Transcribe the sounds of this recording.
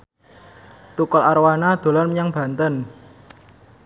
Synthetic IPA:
t̪ukɔlaɾwanad̪̥o̤lɔnməɲaŋb̥a̤nt̪ən

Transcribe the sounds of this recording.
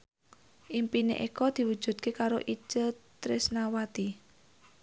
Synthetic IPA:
ʔimpinḛʔekɔd̪̥i̤wud̥ʒ̥ṳd̪̚kekaɾo̰ʔit͡ʃət̪ɾɪsnawat̪i

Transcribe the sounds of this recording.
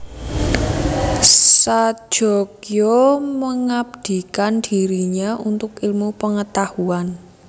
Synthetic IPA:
sḁʒ̥ɔkjoməŋab̚d̪̥i̤kand̥iɾiɲaʔunt̪ʊkɪlmupəŋət̪ahuan

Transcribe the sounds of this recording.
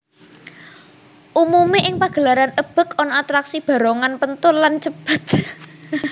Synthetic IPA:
ʔumumeʔɪŋpaɡ̥ə̤laɾanəb̥ə̤kɔnɔat̪ɾaksib̥a̤ɾɔŋanpənt̪ʊnlant͡ʃəb̥ə̤t̪̚

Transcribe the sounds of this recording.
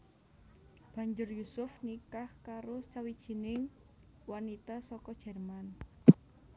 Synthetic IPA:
b̥a̤ɲd͡ʒʊrjusʊfnikahkaɾot͡ʃawid̥ʒ̥i̤nɪŋ | wanit̪asɔkɔd̥ʒ̥ɛrman

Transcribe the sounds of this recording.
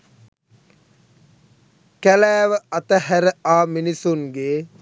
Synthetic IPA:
kælæːʋəɐt̪əhæɾəaːminisuŋɡeː

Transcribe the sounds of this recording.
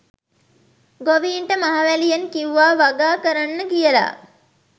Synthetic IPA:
ɡoʋiːɳʈəmaɦaʋælijenkiuʋaːʋaɡaːkəɾanːəɡijəla̰

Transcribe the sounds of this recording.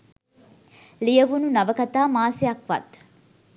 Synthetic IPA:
lijəʋununɐʋəkɐt̪aːmaːseɐkʋɐ̰t̪

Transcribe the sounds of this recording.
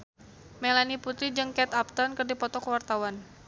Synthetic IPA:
melaniput̪ɾid͡ʒɨŋkɛt̪ap̚t̪ɔnkərdipɔt̪ɔkəwart̪awan

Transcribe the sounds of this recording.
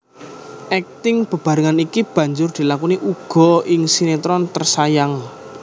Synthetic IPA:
ʔɛk̚t̪ɪŋb̥ə̤b̥ä̤ɾaŋanikib̥ä̤ɲd͡ʒʊrd̪̥i̤lakuniʔuɡ̥ɔ̤ɪŋsinet̪ɾɔnt̪ərsajaŋ

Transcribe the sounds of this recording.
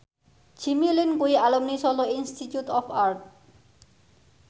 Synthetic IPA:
t͡ɕʰimilinbujalomnisɔloinsʈʰit͡ɕjuʈɔpʰaɾʈ̚

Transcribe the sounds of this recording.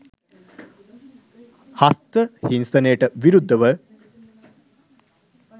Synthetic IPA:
hast̪əhinsənejːʈəʋiɾud̪ːəʋə

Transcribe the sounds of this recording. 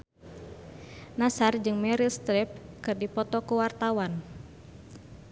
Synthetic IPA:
nasard͡ʒɨŋmɛɾilst̪ɾɛp̚kɨrdipɔt̪ɔkuwart̪awan

